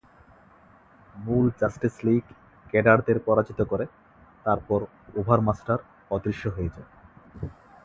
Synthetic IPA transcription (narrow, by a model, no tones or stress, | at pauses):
muld͡ʑasʈisliɡ | kɛɖaɾd̪eɾpɔɾad͡ʑit̪okoɾe | t̪aɾpɔɾ | ubʱaɾmasʈaɾ | ɔd̪ɾiʃːoɦoed͡ʑae